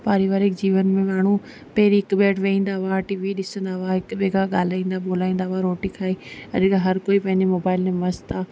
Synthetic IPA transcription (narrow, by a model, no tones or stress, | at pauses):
paːɾiʋaːɾɪkd͡ʑiːʋənmẽmaːɳ̤ũ | pɐɦɪɾiɦɪkɓeːʈʋeĩːn̆d̪aaʈiːʋiɗɪsə̃nd̪aʊaɦɪkɓeːɡaɠaːl̤aːĩːnd̪aɓoːlaːĩːn̆d̪aɦaɾoːʈikʰaːiɐ̰ʄkaɦɐɾkoːipɐ̃ɦɪ̃ɲd͡ʑemoːbaːɪlmẽmɐst̪aː